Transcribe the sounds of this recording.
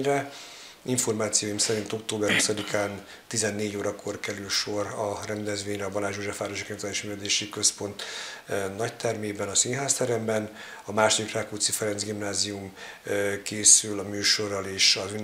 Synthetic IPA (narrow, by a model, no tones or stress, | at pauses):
rɛ | iɱfo̞rmaːt̪sijoːjimsɛɾint̪o̞k̚t̪oːbɛrhusɒd̪ikaːn | t̪izɛnːeːɟoːɾɒkʰo̞rkɛɾylʃo̞rɒrɛnd̪ɛzʋeːɲrɛɒbɒlaːʒoːʒɛfaːɾoʒikɔt̪aːiʃmyːvɛd̪eːʃikø̞spo̞nt̪ | nɒct̪ɛrmeːbɛnɒsinɦaːst̪ɛɾɛmbɛn | ɒmaːʃod̪ikraːkut̪sifɛɾɛnzɡimnaːzium | keːsylɒmyːʃo̞rːɒleːʃɒzyn